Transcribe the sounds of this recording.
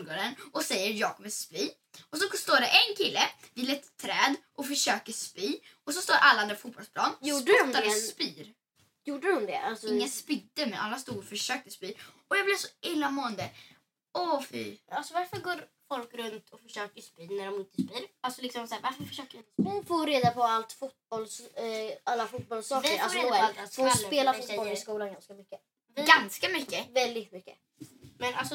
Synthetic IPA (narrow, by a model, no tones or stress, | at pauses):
ɡoːɾənɔsɛjːəɾjɑːkʰɔmːəspiː | ɔs̬ɔst̪oːɖɛʔɛnkʰɪlːəvɪːlɛt̪ʰːɾɛːd̪ʔɔfœʂøːkəspiːɔs̬ɔst̪oːɾʔalːaand̪ɾafuːbɔlspʰlɑːnuːdt̪ːaɛspiːɾ | juːɖəd̪ʊmd̪ɛ̰sɪŋːaspɪd̪əmɛna̰lːast̪uːɡɔfœʂøːk̚t̪əspiː | ɔjɑːɡblɪɾsɔɪlːamoːɛnd̪ə | ɔfiːalsɔvaɾfœɾɡoːɾfɔlkɾɵnt̪ʰɔfœʂøːkəʂpyːnæɖɔmɪnt̪əspiːɾalsɔlɪksɔmsæːɾvaɾfəɾfœ̥ʂøːkəɾɪnt̪əspːfoːɾeːd̪apʰɔalt̪fʊt̪̚bɔls | alːafʊt̪̚bɔlsɑːvkəɾaafospeːlafɛɪskuːlanɡanskamʏkːə | vɪɡanskamʏkːəvɛld̪ɪt̪mʏkːə̰ | mɛnalsɔ